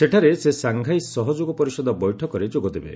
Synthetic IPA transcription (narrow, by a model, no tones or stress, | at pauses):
seʈʰaɾesesaŋɡʱajsɔɦɔd͡ʒoɡɔpɔɾisɔd̪ɔbɔjʈʰɔkɔɾed͡ʒoɡɔd̪ebḛ